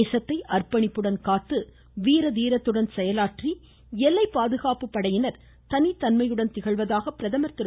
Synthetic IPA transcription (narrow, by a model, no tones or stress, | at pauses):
sɐt̪ːɐɪʔɐrpɐɳɪpːɯɽɐnkaːt̪ːɯ | ʋiːɾɐðiːɾɐt̪ːɯɽɐnsɛjɐlaːʈri | ɛlːɐɪpːaːðɯɣaːpɯpːɐɽɐjɪnɐɾ | t̪ɐnit̪ɐnmɐjɯɽɐnt̪ɪɣɐɭʋɐðaːɣɐpːɪɾɐðɐmɐɾt̪ɪɾ